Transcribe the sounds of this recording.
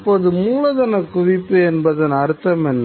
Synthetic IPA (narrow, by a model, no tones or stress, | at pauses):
pːoːðɯmuːlɐðɐnɐkːʊʋɪpːɯɛnbɐðɐnɐɾɯt̪ːɐmɛnː